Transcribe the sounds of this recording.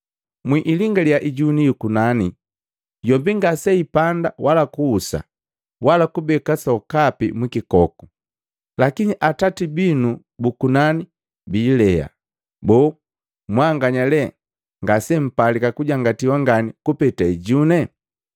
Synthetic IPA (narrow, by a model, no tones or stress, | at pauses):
mwiʔːliŋɡaljaʔiɟunijukunani | jɔbiŋɡasɛipandawalakuːsa̰ | walakubɛkasɔkapḭmwikikɔku̥ | lakiɲiʔatatibinu | bukunani | biːlɛa̰ | bɔː | mwaŋɡaɲalɛ | ŋɡasɛm̩palikakuɟaŋɡatiwaŋɡanikupɛtaiɟunɛ